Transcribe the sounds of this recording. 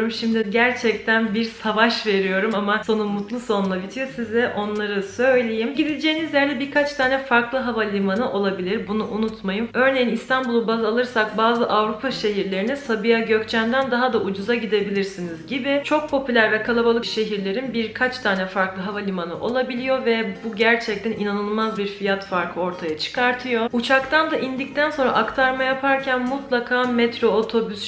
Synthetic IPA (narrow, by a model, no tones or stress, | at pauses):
ɾumʃimd̪iɟæɾt͡ʃʰɛc̚t̪ʰænbiɾsavaʃve̞ɾijo̞ɾumamaso̞nunmut̪lˠɯso̞nlˠabit̪ʰijosizd̪ɛʔo̞nlˠaɾɯsø̞jlʲe̞jimɟid̪ilʲd͡ʒe̞ːinizlʲæɾlʲɛbiɾkʰat͡ʃt̪ʰaːnɛfaɾklˠɯɦavalʲimanɯʔo̞lˠabilʲiɾbunuʔunut̪majɯmø̞ɾne̞jinist̪ʰanbulˠubazalˠɯɾsak̚baːzɯʔavɾupʰaʃe̞ɦiɾlʲe̞ɾinisabɯjaɟø̞ct͡ʃʰænd̪ænd̪aɦad̪aʔud͡ʒuzaɟid̪e̞bilʲiɾsinizɟibɪt͡ʃʰo̞k̚pʰo̞pʰylʲæɾvɛkʰalˠabalˠɯʃe̞ɦiɾlʲe̞ɾinbiɾkʰat͡ʃt̪ʰaːnɛfaɾklˠɯɦavalʲimanɯʔo̞lˠabilʲijo̞vɛbuɟæɾt͡ʃʰɛc̚t̪ʰæninanɯlˠmazbiɾfijat̪faɾkʰɯo̞ɾt̪ʰajat͡ʃʰɯ̥kʰaɾt̪ʰɯjo̞ut͡ʃʰakt̪ʰand̪aʔind̪ic̚t̪ʰænso̞nɾa̰ʔakt̪ʰaɾmajapʰaɾcʰænmut̪lˠakʰaːmɛt̪ɾo̞ːt̪ʰo̞bys